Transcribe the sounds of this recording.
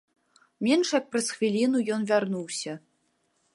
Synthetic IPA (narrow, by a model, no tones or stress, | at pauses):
mʲɛnʂjɐk̚pɾɐsxvʲilʲinujɔnvʲarnuwsʲɐ